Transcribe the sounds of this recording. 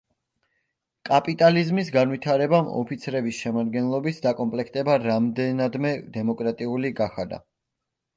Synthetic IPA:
kʼapʼit̪ʼalizmis̬ɡanwit̪ʰaɾɛbamɔ̰pʰit̪sʰɾɛbisʃɛmaɾd̪ɡɛnlˠɔbisd̪akʼɔmpʼlɛkʰt̪ʼɛbaɾamd̪ɛnad̪mɛd̪ɛmɔkʼɾat̪ʼiuliɡaχad̪a̰

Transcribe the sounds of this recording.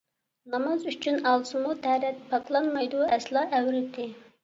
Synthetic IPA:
nɑmɑzyt͡ʃʰynɑlˠsɨmut̪ʰɛɾɛt̪̚pʰɑklˠɑnmɑjd̪uɛslˠɑːʔɛwɾɪt̪ɪ

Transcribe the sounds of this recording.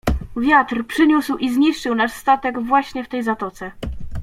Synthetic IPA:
vʲjat̪ɾpʂɘɲuswʔizɲiʂt͡ʂɘwnaʂst̪at̪ɛɡvwaɕɲɛft̪ɛjzat̪ɔt̪sɛ

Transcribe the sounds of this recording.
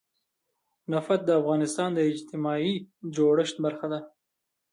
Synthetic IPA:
nafat̪̚d̪əafɣɑnɪst̪ɑnd̪əɪd͡ʒt̪ɪmɑid͡ʒoɽəʃt̪̚baɾxad̪a

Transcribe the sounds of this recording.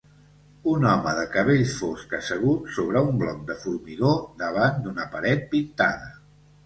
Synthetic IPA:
unɔməðəkəβ̞eʎfoskəsəɣ̞ut̪soβɾəumblɔk̚d̪əfuɾmiɣod̪əβ̞and̪unəpəɾɛt̪̚pint̪a̰ðə

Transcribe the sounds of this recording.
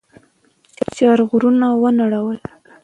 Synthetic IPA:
t͡ʃet͡ʃɑɾɣɾunawənaɽawəl

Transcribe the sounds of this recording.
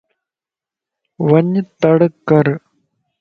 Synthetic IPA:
ʋɐɲːɨt̪ːɐɽɯkːɐɾ

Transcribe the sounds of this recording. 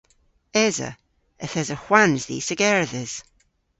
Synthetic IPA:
ɛzə̰ | əθɛzəxwanzðḭːsəɡɛɹðɪz̥

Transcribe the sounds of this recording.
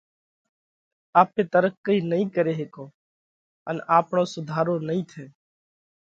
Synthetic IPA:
aːp̚ːet̪əɾəkkːəinəɦĩkəɾeːɦeːkõː | ə̰naːpnosʊd̪ʱaːɾõnəĩt̪ʰɛː

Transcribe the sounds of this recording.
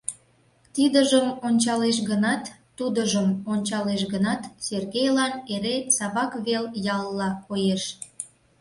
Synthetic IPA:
t̪id̪əʒəmonʲt͡ɕɑleʃ̬ɣənɑt̪ː | ud̪əʒəmonʲt͡ɕɑleʃɣənɑt̪serɣejlɑneɾesɑβɑkβeljɑlːɑkojeʃ

